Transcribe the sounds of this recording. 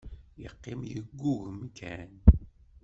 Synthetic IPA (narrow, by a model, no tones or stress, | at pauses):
jəqːɪmjəɡːuɣmkʰæn